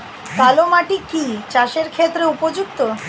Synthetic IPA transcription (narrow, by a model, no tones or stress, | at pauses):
t̪alomaʈikit͡ɕaʃeɾkʰet̪ːɾeupod͡ʑuk̚t̪o